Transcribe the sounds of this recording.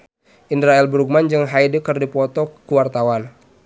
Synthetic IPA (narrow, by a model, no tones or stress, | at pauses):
indɾaɛlbɾuɡ̚mand͡ʒɨŋɦajdəkərdipɔt̪ɔkuwart̪awan